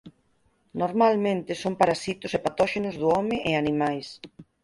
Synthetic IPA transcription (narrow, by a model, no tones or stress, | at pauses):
noɾmalmẽnt̪ɪsompaɾasit̪ʊsepat̪ɔʃenʊzðʊɔmɪʔeanimajs